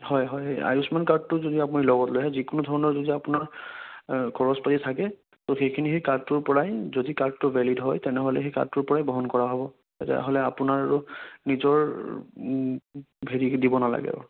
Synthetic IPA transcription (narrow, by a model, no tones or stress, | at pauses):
hɔjɦɔja̰jusmankad̚tʊzodiap̬ʊnilɔɡɔtloɦɛzikʊnudʱɔɹɔnɔɹzodiapʊnaɹ | ɡʰɔɹɔspatitʰakɛ | toxejkʰinixekaɹd̚tʊɹpɔɹajzodikaɹd̚tʊvɛlidɦɔjtɛnɛɦolɛxeka̰d̚ʊɹpɔɹajbɔɦɔnkɔɹaɦɔbɔ | ɛtɛ̰ɦolɛapʊnaɹaɹunizɔɹ | bʱeɹidibɔnala̰ɡɛ̰